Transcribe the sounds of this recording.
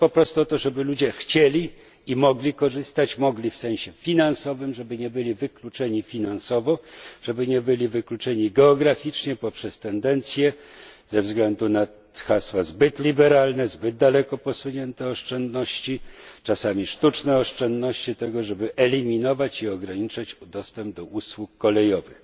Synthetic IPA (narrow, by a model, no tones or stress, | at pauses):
pɔpɾɔst̪uɔt̪ɔʐɛbɘlud͡ʑɛxt͡ɕelʲi | imɔɡlʲikɔʐɘst̪at͡ɕmɔɡlʲifsɛ̃w̃ɕɛfʲinansɔvɘmʐɛbɘɲɛbɘlʲivɘklut͡ʂɛɲifʲinansɔvɔʐ̥ɛbɘɲɛbɘlʲivɘklut͡ʂɛɲiɡɛɔɡɾafʲit͡ʂɲɛpɔpʂɛst̪ɛnd̪ɛnt̪sʲjɛzɛvzɡlɛnd̪una | xaswazbɘt̪lʲibɛɾalnɛzbɘd̪̚d̪alɛkɔpɔsuɲɛnt̪ɛɔʂt͡ʂɛnd̪nɔɕt͡ɕit͡ʂasamʲiʂt̪ut͡ʂnɛɔʂt͡ʂɛnd̪nɔɕt͡ɕit̪ɛɡɔʐɛbɘʔɛlʲimʲinɔvat͡ɕiɔɡɾaɲit͡ʂat͡ɕd̪ɔst̪ɛmb̚d̪ɔʔuswukːɔlɛjɔvɘx